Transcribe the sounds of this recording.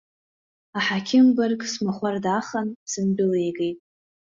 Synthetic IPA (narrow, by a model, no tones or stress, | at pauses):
aħakʲʰɪmbarkʼsmaχʷardaχənsɨmbɪlejɡejtʼ